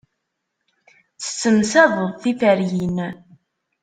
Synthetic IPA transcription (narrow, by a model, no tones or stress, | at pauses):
t͡sːə̥t͡sːəmsæðˤəðˤθifæɾjin